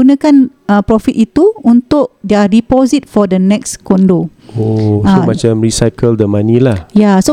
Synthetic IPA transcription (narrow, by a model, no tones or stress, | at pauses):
unãkan | ə̃pɾɔfit̪it̪uunt̪ʊʔ̚diadipɔzit̪̚fɔdənɛkskɔndo | osãmat͡ʃamɹisajkəldəmãnĩlahjaso